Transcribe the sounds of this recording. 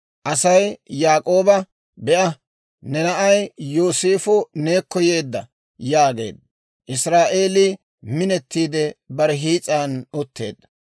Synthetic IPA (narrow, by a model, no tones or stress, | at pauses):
ʔɐsɐjjaːkʼo̞ːbɐ | bɛʔɐ | nɛnɐʔɐjjoːseːfʊne̞ːkːɔjeːd̪ːɐ | jaːɡḛːd̪ | ʔɪsɾaːʔeːli | mɪnɛt̪ːiːd̪ɛbɐɾɛɦiːt͡sʼaːnʊt̪ʰːe̞̰ːd̪ɐ